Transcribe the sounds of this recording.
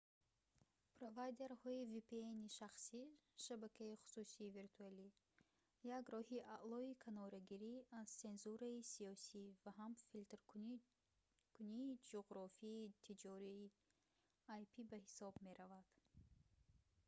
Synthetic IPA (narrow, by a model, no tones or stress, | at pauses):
pɾovajd̪e̞ɾhɔivipʰeeniʃaχsiʃabakʰaiχu̥susiːviɾt̪ʰuali | jaɡɾɔhiaʔlˠɔikʰanɔɾaɡiɾiazt͡se̞nzuɾaisiɔsivaɦamfilt̪ɾ | kʰuniːd͡ʒoʁɾɔfiːt̪ʰid͡ʒɔɾiː | ajpʰibahisɔbme̞ɾavad̪̥